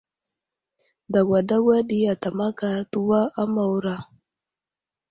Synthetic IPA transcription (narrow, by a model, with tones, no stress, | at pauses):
da˨ɡʷa˨da˦ɡʷa˦ɗi˦ja˨ta˨ma˦ka˨tu˦wa˦a˦ma˨wu˨ɾa˨